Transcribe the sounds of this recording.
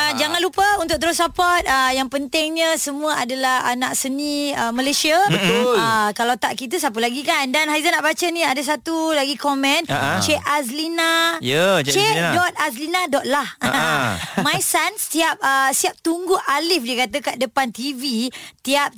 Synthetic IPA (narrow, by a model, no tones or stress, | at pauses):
əd͡ʒaŋãnlupəunt̪ʊk̚t̪̬əɾʊsːapɔt̪̚əjaŋpənt̪ɪŋɲə̃səmũəadalahanaʔsəniəməlajsiəbələkalawt̪aʔkit̪əs̬ap̬əlaɡikandanɦajzanaʔbat͡ʃənĩadas̬at̪ulaɡikɔmɛ̃nt͡ʃeʔaslinajət͡ʃedɔt̪̚as̬linadɔt̪̚lah | majsanst̪iap̚əsiap̚t̪uŋɡuʔalɪfdiəkat̪əkaʔ̚dəpant̪ivit̪iap̚